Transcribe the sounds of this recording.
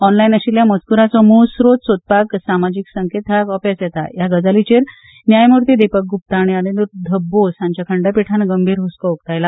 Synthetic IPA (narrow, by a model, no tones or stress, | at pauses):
ɔnlainəɕiljamət͡skuɾat͡sɔmosɾot̪sot̪̚paksamad͡ʑiksəŋket̪ɦakɔpasjɛt̪a̰jaɡəd͡zalit͡ɕeɾ | njajmuɾt̪id̪epək̚ɡup̚t̪aːɽ̃ianinuɾd̪ʱəbːosãɲt͡ɕjakʰəɳɖəpiʈʰanaɡəmbʱiːɾɦuskəok̚t̪ajla